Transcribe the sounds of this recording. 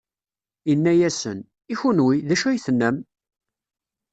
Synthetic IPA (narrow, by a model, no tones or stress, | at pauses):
inːæjæsə̰n | içunwiðæʃæjθnːæm